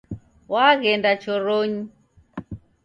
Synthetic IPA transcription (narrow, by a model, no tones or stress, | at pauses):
waɣɛndat͡ʃʰɔɾoɲi